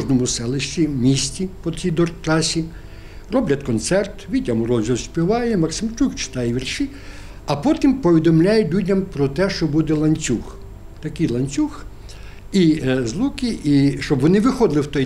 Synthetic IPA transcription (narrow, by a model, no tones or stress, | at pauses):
ʒnɔmʊsɛlˠɪʃt͡ʃʲimʲisʲtʲipɔt͡s̪ʲijd̪ɔrt̪ɾɑsʲi | rɔblʲɐt̪kɔnt̪sɛrt̪ʋʲidʲɐmʊɾɔzʲɔsʲpʲiʋɑjɛmɐksɪmt͡ʃukt͡ʃɪ̥t̪ɑjɛʋʲirʃi | ɐpɔt̪ʲimpɔʋʲid̪ɔmlʲajɛlʲudʲɐmpɾɔt̪ɛʃt͡ʃɔbud̪ɛlˠɐnʲt͡sʲux | t̪ɐkɪjlˠɐnʲt͡sʲux | izlˠukʲiʔiʃt͡ʃɔbʋɔnɪʋɪxɔd̪lˠɪwt̪ɔj